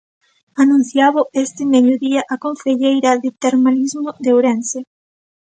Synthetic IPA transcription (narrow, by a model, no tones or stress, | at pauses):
anũn̟θjaβʊʔest̪ɪmejʊðiaʔakoɱfeʎejɾɐðet̪eɾmalizmʊðewɾense